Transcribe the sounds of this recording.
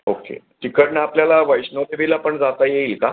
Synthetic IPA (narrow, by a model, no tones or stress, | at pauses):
okḛ | ʈikəɽnaapljalaʋəjɕnod̪eʋilapəɳd͡zat̪ajeika